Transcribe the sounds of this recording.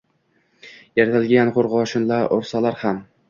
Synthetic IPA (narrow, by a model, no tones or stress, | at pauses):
jaɾt̪ʰalɡʲanqoɾʁɒʃɪnlaɾʔoɾsalaɾham